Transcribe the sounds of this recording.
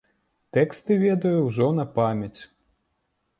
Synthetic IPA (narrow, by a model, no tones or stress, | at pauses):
t̪ɛkst̪ɨvʲɛd̪ɐjuwʐɔnɐpamʲɐt͡sʲ